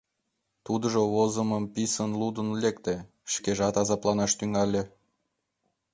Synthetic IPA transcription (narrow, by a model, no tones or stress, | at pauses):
t̪ud̪əʒoβozəməmpisənlud̪ənlʲekt̪e | ʃkeʒɑt̪ɑzɑplˠɑnɑʃt̪yŋɑlʲe